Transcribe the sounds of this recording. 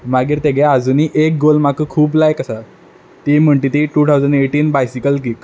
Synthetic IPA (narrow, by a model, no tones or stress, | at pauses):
maɡiːɾt̪eɡead͡zuːniːʔek̚ɡolmakʰəkʰuːblajkəsa | t̪iːm̤əɳʈiːt̪iːʈut̪ʰawd͡zəɳɖeʈiːnbajsikəlk̬ik